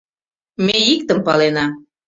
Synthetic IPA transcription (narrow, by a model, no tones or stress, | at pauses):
meik̚t̪əmpɑlenɑ